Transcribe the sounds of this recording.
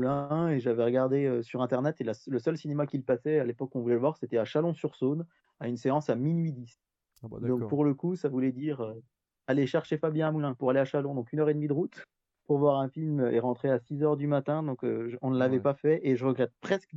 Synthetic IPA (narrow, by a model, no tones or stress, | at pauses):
lɛ̃eʒavɛʁəɡaʁd̪eøsyʁɛ̃t̪ɛʁnɛt̪elasləsœlsinemakʲilpasɛalepɔkɔ̃vulɛləvwaʁset̪ɛaʃalɔ̃syʁson | aynseɑ̃saminɥid̪is | d̪ɔ̃k̚puʁləkusavulɛd̪iʁø | aleʃɛʁʃefabjɛ̃amulɛ̃puʁaleaʃalɔ̃d̪ɔ̃kynœʁed̪mid̪əʁut̪ | puʁvwaʁɛ̃filmøḛʁɑ̃t̪χeasizœʁd̪ymat̪ɛ̃d̪ɔ̃køʒəɔ̃nəlavɛpafɛʔeʒəʁəɡʁɛt̪̚pχɛsk